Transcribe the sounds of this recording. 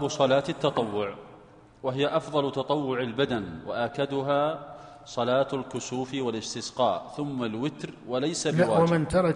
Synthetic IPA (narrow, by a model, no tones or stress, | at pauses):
bʊsˤɑlaːt̪ɪt̪ːɑt̪ˤɑwːʊʕ | waɦɪjaʔɑfðˤɑlʊt̪ɑt̪ˤɑwːʊʕɪlbad̪anwa̰ʔaːkad̪ʊɦaː | sˤɑlaːt̪alkʊsuːfwalɪst̪ɪsqɑ̰ːʔθʊmːalwɪt̪ɾwalajsawaːmɪnt̪ɑɾˤɑ